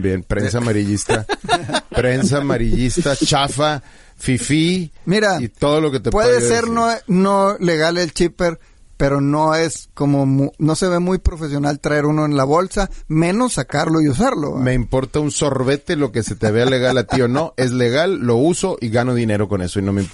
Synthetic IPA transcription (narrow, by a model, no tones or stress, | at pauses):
bjenpɾensamaɾiʝist̪appɾens̬amaɾiʝist̪at͡ʃafa | fifimiɾait̪o̞ð̞o̞lo̞ket̪epweðese̞ɾnono̞le̞ɣalelt͡ʃipeɾ | pe̞ɾo̞no̞e̞sko̞momuno̞se̞β̞e̞mujpɾo̞fes̬jo̞nalt̪ɾae̞ɾuno̞enlaβo̞lsamẽ̞no̞sːakaɾlo̞ius̬aɾlo̰me̞impo̞ɾt̪aunso̞ɾβe̞t̪elo̞ke̞se̞t̪eβeale̞ɣalat̪io̞no̞ʔe̞zle̞ɣalːo̞uso̞ʔiɣano̞ðine̞ɾo̞ko̞ne̞so̞ino̞memp